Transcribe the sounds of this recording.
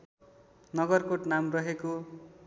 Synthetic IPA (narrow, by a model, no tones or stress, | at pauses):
nʌɡʌrkoʈnamrʌɦeko